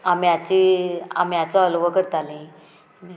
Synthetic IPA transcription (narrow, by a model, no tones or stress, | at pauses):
amiat͡ɕia̰mijat͡saəlʋəkəɾt̪alẽ | ni